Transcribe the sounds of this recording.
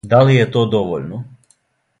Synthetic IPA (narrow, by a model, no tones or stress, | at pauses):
d̪alijet̪oːd̪oʋo̰ʎno